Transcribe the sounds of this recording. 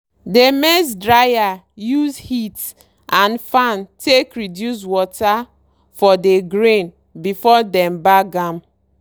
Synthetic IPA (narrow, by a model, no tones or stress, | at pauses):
demɛs̬dɹaja | juzhit | ʔãnfãntekɹidjus̬wɔta | fɔdeɡɾẽn | bifɔdɛ̃mbaɡãm